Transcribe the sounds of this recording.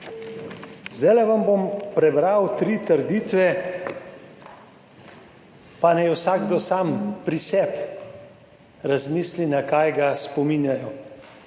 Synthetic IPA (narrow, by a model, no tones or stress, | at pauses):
zd̪ajlɛʋambompɾɛbɾawt̪ɾiːt̪əɾd̪iːt̪ʋɛ | panajwsaːɡd̪ɔsaːmpɾisɛp | ɾazmiːslinakaːjɡaspɔmiːnjajɔ